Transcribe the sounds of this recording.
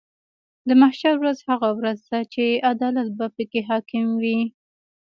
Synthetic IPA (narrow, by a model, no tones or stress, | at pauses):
d̪əmahʃaɾwɾazhaɣawɾazd̪at͡ʃead̪ɑlat̪̚bapəkeɦɑkɪmwi